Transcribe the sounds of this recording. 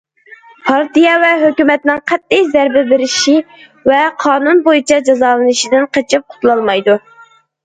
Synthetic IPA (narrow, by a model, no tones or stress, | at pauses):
pʰɑɾt̪ijɑvɛɦøkʲymɛt̪nɪŋqʰɛt̪ːɪjzɛɾbɪbɪɾɪʃi | vɛqʰɑːnunbojit͡ʃʰɑd͡ʒɑzɑːlˠɨnɨʃid̪ɪnqət͡ʃʰip̚qʰʊ̥t̪ʰlˠɑlˠmɑjd̪u